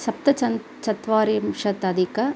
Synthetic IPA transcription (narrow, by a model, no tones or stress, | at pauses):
sɐp̚t̪ɐt͡ʃɐn | t͡ʃɐt̪ʋaːɾjɐmʂɐt̪ɐd̪ikɐ